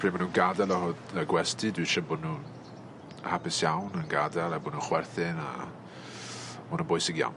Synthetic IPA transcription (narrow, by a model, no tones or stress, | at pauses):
pʰr̥iːmanuːnɡadɛlˠɔhʊdəɡwɛstɨdwiʃabʊnuːn | hapɪsjawnənɡadɛlˠabʊnuːnχwɛrθɪna̰ | bʊnunbʊjsɪɡja̰wn